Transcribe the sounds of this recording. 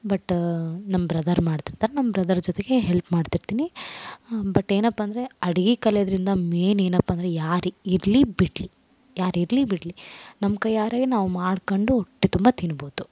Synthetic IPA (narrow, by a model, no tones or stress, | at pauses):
bɐʈːnɐmːɐbɾɐd̪ɐɾmaːɽt̪iɾt̪aːɾenɐmːɐbɾɐd̪ɐɾd͡ʒɔt̪eɡe̞ɦelpmaːɖt̪iɾt̪iːni | bɐʈːe̞ːnɐpːɐːnd̪ɐɾe̞ɐɽiɡikɐlɛjd̪ɐɾind̪ɐme̞ːne̞ːnɐpːaɐnd̪ɐɾejaːɾiiɾlibiʈli | jaːɾiɾlibiʈlinɐmkɐjaːɾaːɡinaːʋumaːɽkoɳɖuoʈːit̪umbɐt̪inuboːd̪u